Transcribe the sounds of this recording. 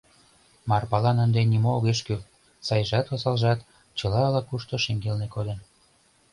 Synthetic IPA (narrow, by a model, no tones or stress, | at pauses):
mɑrpɑlɑnənd̪enimooɣeʃky | sɑjʒɑt̪osɑlʒɑt̪ | t͡ɕɤ̆lɑːlɑkuʃt̪oʃeŋɡelnekod̪ə̆n